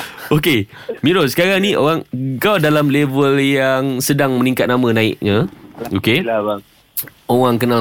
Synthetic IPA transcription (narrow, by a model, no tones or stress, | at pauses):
oke | mĩɾosə̥kaɾaŋniʔo̰ɣaŋkawdalamlevəljaŋsədaŋmə̃nĩŋkat̪̚namə̃nãɪ̰k̚ɲəoke | oɣaŋkəna